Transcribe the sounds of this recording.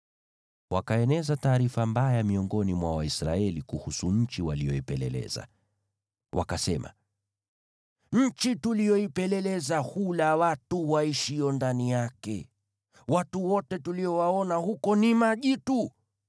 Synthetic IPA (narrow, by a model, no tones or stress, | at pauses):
wakaɛnɛzataːɾifambajamiɔŋɡɔnimwawaisɾaɛlikuhusuɲ̩t͡ʃiwalijɔipɛlɛ̰lɛ̰za̰ | wʔa̰kasɛma̰ | ɲ̩t͡ʃitulijɔipɛlɛlɛzahulawatuwaiʃiɔndanijakɛ | watuwɔtɛtuliɔwaɔnahukɔnimaʄitu